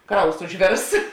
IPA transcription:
ˈkrɐʊs ʊʒʲˈʋʲeːrs

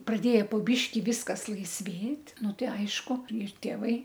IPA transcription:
prɐˈdʲeːjɛ poː ˈbʲiːʃʲkʲɪ ˈʋʲiːskɐs lˠɐɪsʲˈʋʲeːtʲ ˈnʊ ˈtɐɪ ˈɐɪʃkʊ ɪr tʲeːˈʋɐɪ

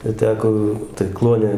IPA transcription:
ɪr ˈtʲæːkoː tɐɪ ˈklˠuɔnʲɛ

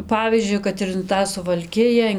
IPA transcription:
ˈpɑːʋʲiːzʲd͡ʒʲʊɪ kɐt ɪn ˈtɑː sʊʋɐlʲˈkʲɪjɛ

